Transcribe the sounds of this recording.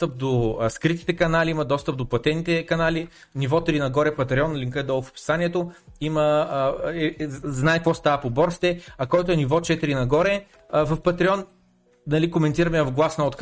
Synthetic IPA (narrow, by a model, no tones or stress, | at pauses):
t̪əp̚d̪oskɾit̪i̥t̪ɛkɐnaliimɐd̪ɔst̪əp̚d̪oplˠɐt̪ɛnit̪ɛkɐnali | nivɔt̪ɾinɐɡɔɾɛpɐt̪ɾɛɔnːlʲiŋkəd̪ɔlˠfo̥pi̥saniɛt̪oimə | ɛznaɛkvɔst̪avəpobɔɾsi̥t̪ɛɐkɔjt̪oɛnivɔt͡ʃɛt̪iɾinɐɡɔɾɛ | vəfpɐt̪ɾiɔn | nɐlikomɛnt̪iɾɐmɛvɡlˠasnɐot̪k